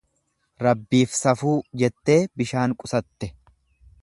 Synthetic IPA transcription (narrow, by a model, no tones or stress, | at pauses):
ɾɐbːiːfsɐfuːd͡ʒɛt̪ːe̞ːbɪʃaːŋkʼʊsɐt̪ːɛ